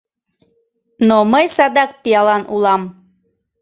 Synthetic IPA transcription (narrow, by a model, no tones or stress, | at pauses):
noməjsɑd̪ɑk̚pijɑlˠɑnulˠɑm